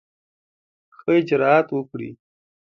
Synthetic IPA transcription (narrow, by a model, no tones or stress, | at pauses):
xəɪd͡ʒɾɑːt̪wəkɽḭ